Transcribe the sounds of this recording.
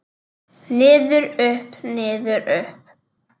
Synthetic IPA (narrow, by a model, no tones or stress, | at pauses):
nɪːðʏɾʏhpnɪːðʏɾʏhp̚